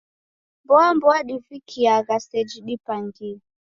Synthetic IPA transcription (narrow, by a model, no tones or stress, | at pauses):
mbɔambɔaɗifikʰiaɣasɛd͡ʒiɗipaŋɡi